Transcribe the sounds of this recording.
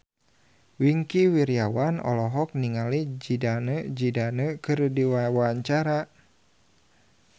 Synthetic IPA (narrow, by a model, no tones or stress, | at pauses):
wiŋkiwiɾiawanɔ̰lɔɦɔk̚niŋalid͡ʒidanəd͡ʒidanəkɨrdiwawaaɲt͡ʃaɾa